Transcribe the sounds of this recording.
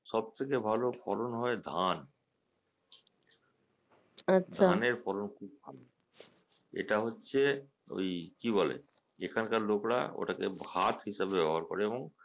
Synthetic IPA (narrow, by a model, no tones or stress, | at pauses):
ʃɔb̚t̪ʰekebʱalofɔɾonɦɔed̪ʱan | adʃʰaneɾfɔɾonkʰub̚bʱa̰lo | ḛʈaɦotːɕʰe | o̰jkibɔlḛ | ekʰankaɾlokɾa̰o̰ʈakehat̪ɦiʃabebɛboɦaɾko̰ɾeeboŋ